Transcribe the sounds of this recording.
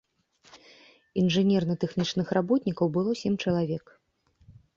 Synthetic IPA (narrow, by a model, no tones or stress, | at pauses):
inʐɨnʲɛrnɐt̪ɛxnʲit͡ʂnɨxrabɔt̪ʲnʲikɐwbɨlˠɔsʲɛmʲt͡ʂɐlˠavʲɛk